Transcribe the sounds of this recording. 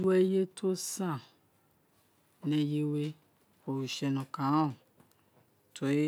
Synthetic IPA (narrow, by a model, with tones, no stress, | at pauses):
u˦ɛ˦je˦t̪ʰo˦sã˦˨ | nɛ̃˨je˦we˦ | wo˨wu˨ʃɛ˨nɔ̃˨kã˨˦ɔ˨ | t̪ʰo˨e˦